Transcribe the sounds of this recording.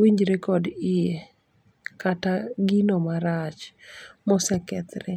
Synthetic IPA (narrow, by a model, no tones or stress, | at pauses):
wiɲd͡ʒɾekɔdie | kataɡinɔmaɾat͡ʃmɔsɛkɛt̪ɾɛ